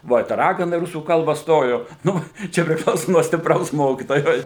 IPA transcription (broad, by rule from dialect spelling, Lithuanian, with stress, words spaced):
ˈʋɐ ɪ tɐ ˈrɑːɡɐnɐ ɪ ˈrʊsuː ˈkɐlˠbɐ ˈstoːjoː ˈnuː ˈt͡ʃʲɛ pʲrʲɪˈklˠɐʊsoː nuɔ sʲtʲɪpˈrɐʊs ˈmoːkʲɪtoːjoː ˈjoː